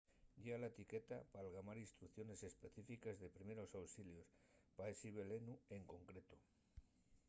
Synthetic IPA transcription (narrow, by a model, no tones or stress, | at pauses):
ɟ͡ʝeɣalaet̪ike̞t̪apalɣamaɾinst̪ɾukθjo̞ne̞se̞spe̞θifikazðe̞pɾime̞ɾo̞sawsiljo̞spaesiβe̞lenue̞ŋko̞ŋkɾe̞t̪o